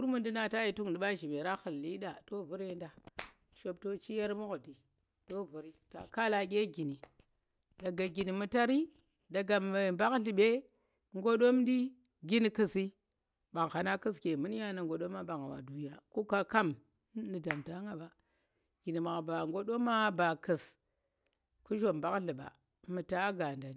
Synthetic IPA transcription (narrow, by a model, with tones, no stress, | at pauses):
u˦ɾmu˦ndi˦na˦ta˦ji˨tu˦ŋ˨di˨ɓa˦ʒi˨me˨ɾa˦xɨ˨lːi˦ɗa˨to˦vu˦ɾe˦nda˨ | ʃo˨b̚to˦t͡ʃi˦ja˦ɾmu˦kdi˨ | to˦vu˨ɾi˦ta̰˨ka˦la˨ɡʲe˦ɡi˨ni˨ | da˨ɡa˨ɡi˨ni˨mu˦ta˦ɾi˦ | da˨ɡa˨m˨ba˦kɬi˨ɓe˦ | ŋɡo˦ɗo˦mdi˦ | ɡʲi˦n˨kɨ˦si˦ | ɓa˨ŋ˨xa˨na˦kɨ˦ske˨mɨ˦n˦ja˦na˨ŋɡo˨ɗo˦mːa˦ɓa˨ŋa˨wa̰˨du˨ja˨ku˦ka˦ka˦m˦ | ni˨da˨mta˦ŋɡa˨ɓa˨ | ɡ̥i˨ni˨ma˨ba˨ŋɡo˦ɗo˦mːa˦ba˨kə˨s | ku˦ʒo˨mba˦kɮi˨ɓa̰˨˦ | mu˨ta˦ɡa˨nda˨n˨